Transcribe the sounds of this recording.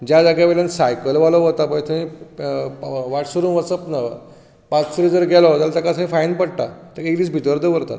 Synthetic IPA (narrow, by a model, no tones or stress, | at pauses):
d͡ʑjad͡zaɡjaʋeljansajkəlʋaloɦot̪apəjt̪ʰəĩ | ʋaʈsuɾũːnʋət͡səpna | pat͡ssəɾid͡zəɾɡɛlaɦot̪alat̪akasãĩfajnpəɽʈa̰t̪əkekd̪iːs̬bʱit̪əɾd̪əʋəɾt̪a̰t̪